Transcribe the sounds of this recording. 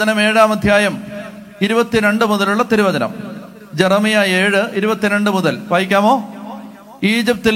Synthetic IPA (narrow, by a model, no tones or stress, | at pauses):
ɐnɐme̞ːɻaːmɐd̪ʱjaːjɐm | iɾubɐt̪ːiɾe̞ɳɖɨmuðɐluɭːɐt̪iɾubɐðɐnɐ̰m | d͡ʑerɐmijaeːɻɨiɾubɐt̪ːiɾe̞ɳɖɨmuðɐlʋaːjikʲːaːmo̞ː | iːd͡ʑip̚t̪ːil